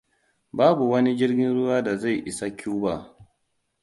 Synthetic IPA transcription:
baː˦bu˨wɐ˦ni˦d͡ʒɪ˦rɡʲɪ˦nɽʊ˦waː˦da˨za˦˨jʔɪ˨sa˦kʲʰuː˦baː˨

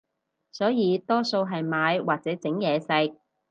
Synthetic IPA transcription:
sɔː˨˥jiː˨˧t̪ɔː˥so˧wɦɐ˨jmaː˨˧jwaː˨k̚t͡sɛː˨˥t͡sɪ˨˥ŋjɛː˨˧sɐ˧j̚

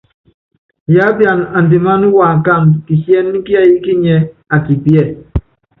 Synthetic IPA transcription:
ja˦bja˨na˨n̩˨de˨ma˦nu˦wa˨ŋ̩˨ka˦˨ŋki˨sjɛ˦n˦ŋ̩˦ki˦a˦ji˦ki˦ɲɛ˦a˨ki˨pjɛ˦˨

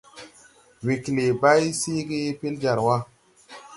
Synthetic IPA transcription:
we˨kle˨ba˦jsi˦ɡe˦pe˦ld͡ʒa˨ɾwa˦

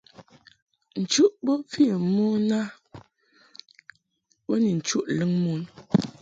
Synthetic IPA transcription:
n̩˨t͡ʃu˦ʔbɔ˦fi˦˨mɔ˦na˦ | bɔ˦ni˨n̩˨t͡ʃu˦ʔlə˦ŋmu˦n

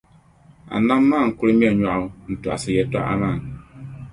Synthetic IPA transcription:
a̰˨nã˦mːaː˦˨ŋ̩˨kʊ˦ɾɨ˦mĩ˦ɛ˨ɲa˨ʔn̩˨tu˨a̰˨sɨ˨jɛ˨˦ta̰˦ʔa̰˦ma˦˨

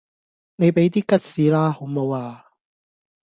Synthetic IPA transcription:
ne˨jpe˨˥jt̪iː˥kɐ˥t̚siː˨˧laː˥ho˨˥wmo˨˧waː˧

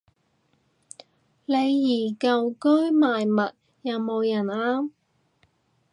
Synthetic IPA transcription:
le˨˧jːiː˨˩kɐ˨wkɵ˥ɥmaː˨˩jmɐ˨t̚ | jɐ˨˧wmo˨˧wjɐ˨˩naː˧

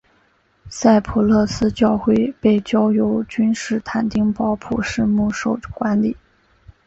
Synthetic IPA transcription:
sa˥˩ɪpʰu˨˩lɤ˥˩sɹ̩˥t͡ɕjɑ˥˧ʊxwe˥˧ɪpe˥˩ɪt͡ɕjɑ˥ʊjo˧˥ʊt͡ɕy˥nʂɻ̩˥˩t̪ʰa˨˩nt̪i˥ŋpɑ˥ʊpʰu˨˩ʂɻ̩˥˧mu˥˩ʂo˨˩ʊkwa˧˥nli˨˩˦

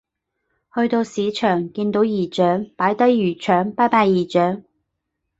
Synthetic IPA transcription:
hɵ˧ɥt̪o˧wsiː˨˧˥t͡ʃʰœː˨˩ŋkiː˧nt̪o˨˧˥wjiː˨˩t͡ʃœː˨˥ŋpaː˨˥jt̪ɐ˥jːyː˨˩t͡ʃʰœː˨˥ŋpaː˥jpaː˧jjiː˨˩t͡ʃœː˨˥ŋ

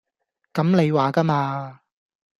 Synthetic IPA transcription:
kɐ˨˥mne˨˧jwaː˨˩kɐ˥maː˧

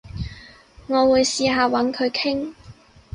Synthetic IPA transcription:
ŋɔː˨˧wuː˨˧jsiː˨˧ɦaː˨wɐ˨˥nkʰɵ˨˧ɥkʰɪ˥ŋ

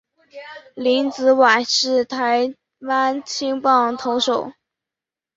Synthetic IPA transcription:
li˧˥nt͡sɹ̩˧˥wa˨˩ʂɻ̩˥˩t̪ʰa˧˥ɪ | wa˥nt͡ɕʰi˥ŋpɑ˥˩ŋt̪ʰo˧˥ʊʂo˨˩˦ʊ

